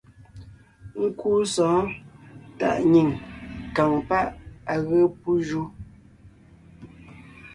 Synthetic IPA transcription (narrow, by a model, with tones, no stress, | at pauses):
ŋ̩˦ku˦sɔ̃ː˨˦ | ta̰˦˨ʔɲi˨ŋka˨ŋpa˦ʔa˨ɣə˦pu˦ʒu˦